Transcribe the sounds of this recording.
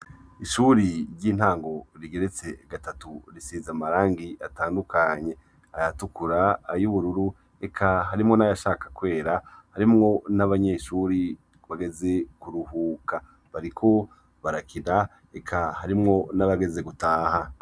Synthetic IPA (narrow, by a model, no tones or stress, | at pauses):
iʃuːɾiɾɟiːn̥haːŋɡo̞ɾiɡe̞ɾet͡se̞ɡatatuɾisiːzamaɾaːŋɡiʔataːndukʰaɲe̞ | ajatukuɾaːjuβuɾuɾu | ekʰaɦaɾimŋo̞najaʃaːkḁkwe̞ːɾahaɾimŋo̞naβaɲe̞ːʃuːɾi | βaɡe̞zekuɾuhuːkʰa | βaɾikʰo̞ | βaɾakʰida | ekʰahaɾimŋo̞naβaɡe̞ze̞ɡutaːha